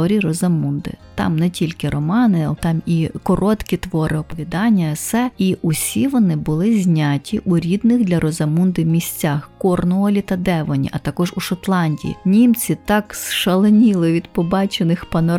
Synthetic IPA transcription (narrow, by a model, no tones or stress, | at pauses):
ɔɾʲirɔzɐmund̪ɪ̰t̪ɑ̰mnɛtʲilʲkɪɾɔmɑnɪt̪ɑmikɔɾɔt̪kʲit̪ʋɔɾɪɔpɔʋʲid̪ɑnʲːɐsɛiʔusʲiʋɔnɪbʊlˠɪzʲnʲatʲiʔuɾʲid̪nɪɣd̪lʲɐɾɔzɐmund̪ɪmʲisʲt͡sʲaxkɔrnɔɔlʲit̪ɐd̪ɛʋɔnʲḭʔɐt̪ɐkɔʒuʃɔt̪lˠɑnʲdʲḭjḭnʲimt͡sʲit̪ɑksʃɐlˠenʲilˠɪʋʲid̪pɔbɑt͡ʃenɪxpɐnɔ